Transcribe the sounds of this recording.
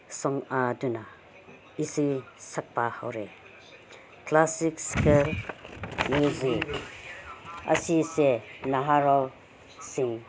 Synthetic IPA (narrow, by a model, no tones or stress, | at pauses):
sɔŋaduna | isisɐk̚pahɐwɾɛ | klasikskɛl | muzik | ʔə̰sisɛnaɦaɾɔl | siŋ